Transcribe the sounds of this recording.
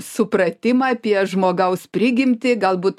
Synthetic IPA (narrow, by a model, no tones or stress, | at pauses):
sʊpɾɐt̪ʲɪmɑɐpʲiɛʒmoːɡɐʊspʲɾʲɪɡʲɪmʲt̪ʲɪɡɐlˠbuːt̪